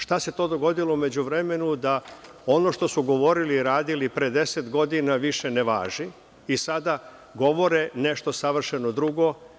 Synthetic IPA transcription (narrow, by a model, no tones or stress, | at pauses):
ʃt̪ase̞t̪o̞ːd̪o̞ɡo̞d̪ilo̞ume̞d͡ʑuʋɾe̞me̞nud̪a | o̞no̞ʃt̪o̞suɡo̞ʋo̞ɾiliːɾaːd̪ilipɾed̪e̞set̪ɡo̞d̪inaʋiʃe̞neʋa̰ːʒi | isad̪a | ɡo̞ʋo̞ɾene̞ʃt̪o̞saʋr̩ʃenod̪ɾuɡo̞